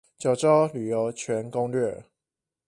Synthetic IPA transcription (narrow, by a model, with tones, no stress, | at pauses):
t͡ɕjɑ˨˩ʊʈ͡ʂo˥˦ly˨˩jo˧˥ʊt͡ɕʰɥɛ˧˥nkʊ˥ŋlɥɛ˥˨